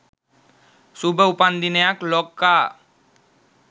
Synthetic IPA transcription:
subʱəupand̪inəjaklɔkːa

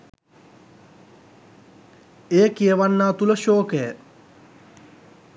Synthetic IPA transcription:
eːkiəʋanːaːt̪uləʃoːkejə

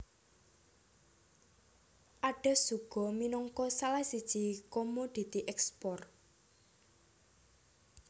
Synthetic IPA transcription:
ʔaɖ̥ɛ̤suɡ̥ɔ̤minɔŋkɔsalasid̥ʒ̥ikomod̪̥i̤t̪iʔɛkspɔr

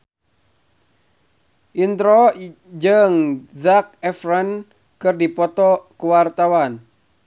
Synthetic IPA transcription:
ʔint̪ɾɔ | d͡ʒɨŋzak̚ɛfrɛn | kɨrdipɔt̪ɔkuwart̪awan

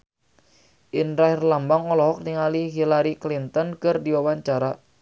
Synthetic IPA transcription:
ʔinɾaɦirlambaŋɔlɔɦɔk̚nɪŋaliɦilaɾiklint̪ɔnkɨrdiwawaɲt͡ʃaɾa

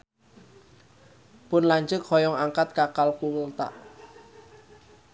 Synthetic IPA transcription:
pʊnlaɲd͡ʒʊk̚hɔjɔŋaŋkat̪̚kakalkuwəlt̪a̰ʔ

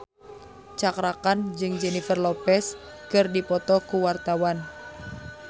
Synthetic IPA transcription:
t͡ʃakɾakand͡ʒɨŋd͡ʒɛnifərlɔpɛs | kɨrdipɔt̪ɔkuwart̪awan

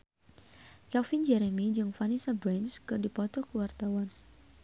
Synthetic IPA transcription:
kɛlfɪnd͡ʒɛɾɛmid͡ʒɨŋfanisabɾɛnskɨrdipɔt̪ɔkəwart̪awan

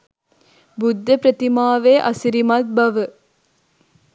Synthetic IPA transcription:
bʊd̪ʱːɐpɾɐt̪imaːʋeːʔɐsiɾimɐt̪̚bɐʋɐ

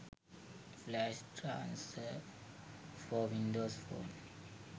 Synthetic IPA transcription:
flaʃtʰɹã̰nsə | fɔwĩndosfo̰n

